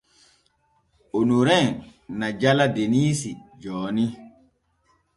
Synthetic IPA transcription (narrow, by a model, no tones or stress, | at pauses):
onuɾɛŋnad͡ʒaladeniːsid͡ʒɔːni